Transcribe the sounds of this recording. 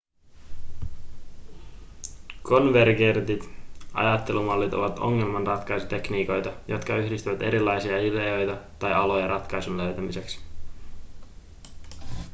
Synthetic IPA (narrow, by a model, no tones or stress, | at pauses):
kʰo̞nʋerɡert̪it̪ɑ̰jɑt̪ːe̞lumɑlːit̪o̞̰ʋɑt̪o̞̰ŋːe̞lmɑnrɑt̪kɑjsu̥t̪e̞kniːko̞jt̪ɑjo̞t̪kɑyhdist̪yʋæt̪e̞ɾilːɑjsiɑileo̞jt̪ɑt̪ɑjɑlo̞jɑɾʔɑt̪kɑjsunløɥt̪æmise̞ks